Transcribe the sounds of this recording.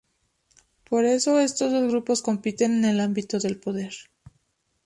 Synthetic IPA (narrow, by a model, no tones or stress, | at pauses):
po̞ɾe̞so̞e̞st̪o̞zðo̞zɣɾupo̞sko̞mpit̪e̞ne̞ne̞lambit̪o̞ðe̞lpo̞ðe̞ɾ